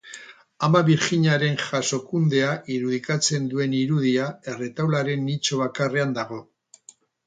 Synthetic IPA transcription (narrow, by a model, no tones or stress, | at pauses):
amaβiɾxiɲaɾe̞nʝaso̞kund̪e̞aʔiɾuð̞ikat͡se̞nd̪ue̞niɾuð̞iae̞re̞t̪awlaɾe̞nːit͡ʃoβakare̞and̪aɣ̞o̞